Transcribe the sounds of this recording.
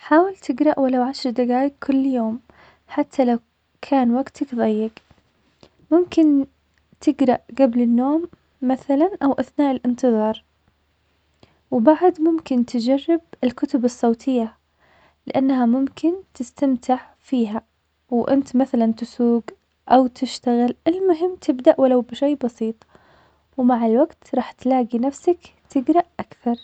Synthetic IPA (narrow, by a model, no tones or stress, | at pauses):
ħaːwɪlt̪ʰɪɡɾˤɑʔwalawʕaʃɾˤd̪aɡaːjɪkkʰʊlːjoːm | ħat̪ʰːalaw | kʰaːnwaɡt̪ʰakðˤɑjːɪɡ | mʊmkɪn | t̪ʰɪɡɾˤɑʔɡablɪnːoːmː | aθalanʔawʔaθnaːʔɪlʔɪnt̪ɨðˤɑːɾˤ | wbaʕd̪mʊmkɪnt̪ʰɪd͡ʒarːɪb̚ɪlkʊt̪ʊbɨsˤːɑːt̪ʰɪjːa | lɪʔanːɦamʊmkʰɪnt̪ɪst̪amt̪ɪʕ | fiːɦa | wʔɪnt̪maθalant̪ɪsuːɡ | ʔawt̪ʰɪʃt̪aɣɪlʔɪlmʊɦɪmːt̪ʰɪbd̪aʔwalawbʃeːbɑsiːt̪ˤ | wmaʕɪlwaɡt̪ɾˤɑːħt̪laːɡinafsak | t̪ʰɪɡɾˤɑʔʔakθɑɾˤ